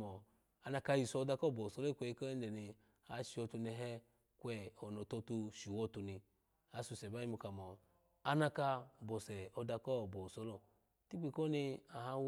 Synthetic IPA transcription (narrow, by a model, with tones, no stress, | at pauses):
ɔ˨ | a˧na˧ka˧ji˨sɔ˧˨˧da˧kɔ˦˨bɔ˨u˨sɔ˦lɔ˦i˦kʷɛ˧˦i˧kɔ˦ɛ˦n˦dɛ˨ni˧ | a˨ʃi˨˧wɔ˧tu˧nɛ˧ɦɛ˦ | kwɛ˦˨ɔ˨nɔ˨to˧tu˧ʃi˨wɔ˦tu˧ni˧ | a˨˦su˧˨sɛ˨ba˦i˦mu˧ka˨mɔ˨ | a˧na˧ka˧bɔ˨sɛ˨ɔ˧da˧kɔ˦˨bɔ˨sɔ˧˦lɔ˦˨ | ti˦k͡pi˨˧˨ko˦ni˧a˨ɦa˧w